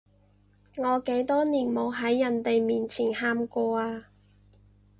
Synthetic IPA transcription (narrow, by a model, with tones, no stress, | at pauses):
ŋɔː˨˧ke˨˥jt̪ɔː˥niː˨˩nmo˨˧wɦɐ˨˥jːɐ˨˩nt̪e˨jmiː˨nt͡sʰiː˨˩nhaː˧mkɔː˧aː˧